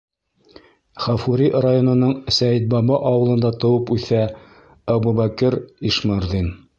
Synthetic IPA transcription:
χæfuɾirajonɤ̆nɤɴsæjit̪̚bɑbɑʔɑwɤ̆lˠɤ̆nd̪ɑt̪ɤ̆wɤpʉθæ | æbubækɘɾiʃmɑɾðin

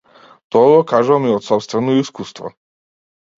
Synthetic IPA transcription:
t̪ɔɡɔkaʒɔmiɔt̪sɔpst̪vɛnɔiskust̪vɔ̰

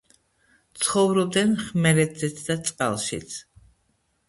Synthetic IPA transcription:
t̪sʰχɔvɾɔb̚d̪ɛnχmɛɾɛt̪zɛt̪sʰd̪at̪sʼqʼa̰lˠʃḭt̪sʰ

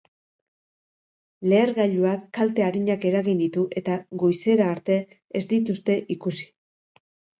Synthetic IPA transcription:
le̞ːɾɣaʎuakːalt̪e̞aɾiɲake̞ɾaɣind̪it̪uʔe̞t̪aɣo̞jse̞ɾaːɾt̪e̞ː | zd̪it̪ust̪e̞ʔikusi̥

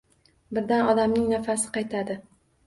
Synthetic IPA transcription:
bɪɾd̪anɒd̪amnɪŋnafasɪ̥qɑjt̪ʰad̪ɪ

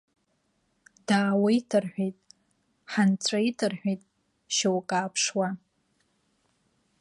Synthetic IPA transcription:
d̥aːwaitʰɨrħʷᶣejtʼ | ħant͡sʷʰʼaitʰɨrħʷᶣejtʼ | ʃawkʼaːpʰʂwa

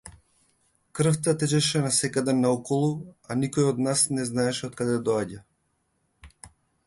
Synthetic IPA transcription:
kr̩ft̪at̪ɛt͡ʃɛʃɛnasɛkad̪ɛnaɔkɔlˠuanikɔjɔd̪nasnɛznaɛʃɛot̪̚kad̪ɛd̪ɔaɟa

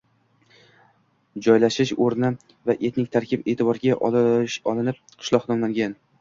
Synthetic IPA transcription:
d͡ʒɒjlaʃɪʃoɾnɪ | vaʔe̞t̪nɪk̚ʲt̪ʰaɾkʲɪpe̞ːt̪ʰɪbɒɾɡʲaʔɒlˠɪnɪp̚qʰɨ̥ʃlˠɒhnɒmlaŋɡʲan

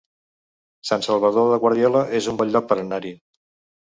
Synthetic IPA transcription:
sansəlˠβ̞əðoðəɣwəɾðiɔləʔezumbɔʎːɔk̚pəɾənaɾi

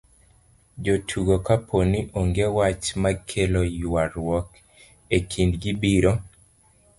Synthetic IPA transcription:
d͡ʒotʰuɡokapʰoniʔoŋɡewat͡ʃmakʰelojwaɾwɔk | ekʰindɡibiɾo

